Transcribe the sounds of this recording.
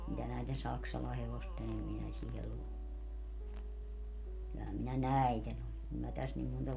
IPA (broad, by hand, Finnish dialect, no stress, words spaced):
mitæ næiten sɑksɑlɑ heʋosten kylːæhæm minæ næi̯ten on kum mæ tæs nim montɑ